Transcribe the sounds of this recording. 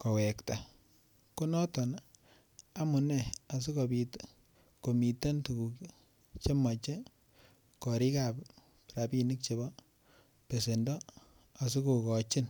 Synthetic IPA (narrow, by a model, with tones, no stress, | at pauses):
kɔ˨we˨kta˨ | ko˦nɔ˦tɔ˨n | a˦mu˨nɛ˦˨a˨s̬i˦ko˨bit | ko˨mi˨te˦ntu˨ku˨k | t͡ʃe˦ma˨t͡ʃe˦ | kɔ˨ɾi˦ka˨p | pɾa˨pi˦ni˦k̚t͡ʃe˨bɔ˦ | pe˨se˨ndɔ˦ | a˨s̬i˦kukɔ˨t͡ʃɪ˦n